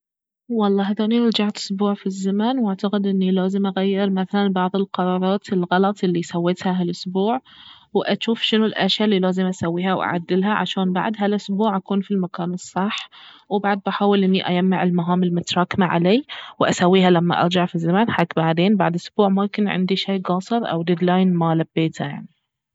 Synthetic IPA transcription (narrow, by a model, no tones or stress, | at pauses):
wɑlˤːɑːɦad̪aːniʔɑɾˤd͡ʒaʕt̪ʔʊ̥sbuːʕfizːamanwaʕt̪aqɪd̪ʔɪnːilaːzɪmʔaɣajːɪɾmaθalanbɑʕðˤɪlqɑɾˤɑːɾˤɑːt̪ɪlɣɑlɑt̪ˤʔɪlːisawːeːt̪haɦalʔʊsbuːʕ | wʔaʃuːfʃɪnʊlʔaʃjalːilaːzɪmʔasawːiːhawʔa̰ʕa̰d̪ːɪlɦaʕa̰ʃaːnba̰ʕd̪ɦalʔʊsbuːʕʔakuːnfilmakaːnɨsˤːɑħ | wbaʕd̪̚baħaːwɪlʔɪnːiʔajamːaʕɪlmaɦaːmɪlmʊt̪ɾˤɑːkmaʕa̰leːwʔasawːiːɦalamːa̰ʔɑ̰ɾˤd͡ʒaʕfizːamanħakbaʕd̪eːnbaʕd̪ʔʊsbuːʕmʊmkɪnʕɪ̰nd̪iʃeːɡɑːsˤɨɾˤʔa̰wd̪ɪd̪laːjnmalabːeːt̪ʰaja̰ʕni